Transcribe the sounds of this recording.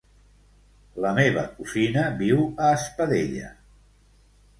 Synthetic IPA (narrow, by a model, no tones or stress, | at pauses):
ləmeβ̞ə̰kusinəbiwəːspəðeʎə̰